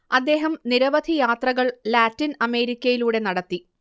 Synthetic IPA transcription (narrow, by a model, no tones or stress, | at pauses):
ɐd̪ːe̞ːɦɐmniɾɐʋɐd̪ʱijaːt̪rɐɣɐɭlaːtːinɐme̞ːɾikʲːɐjiluːɽe̞nɐɽɐt̪ːi